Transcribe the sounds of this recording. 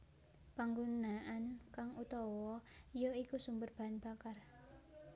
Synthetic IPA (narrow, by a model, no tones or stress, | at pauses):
paŋɡunaankaŋut̪ɔwɔjoikusumbərb̥a̤nb̥a̤kar